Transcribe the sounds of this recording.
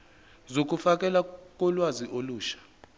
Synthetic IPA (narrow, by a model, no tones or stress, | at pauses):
zok̬ʼufak̬ʼɛlak̬ʼɔlwaziʔoluːʃḁ